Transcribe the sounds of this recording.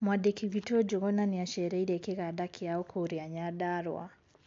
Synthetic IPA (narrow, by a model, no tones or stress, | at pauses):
mwadekʰiwitɔd͡ʒɔɣɔnaniaʃɛɾɛiɾɛkeɣadakʰiaɔkʰoɾiaɲaɗaɾwa̰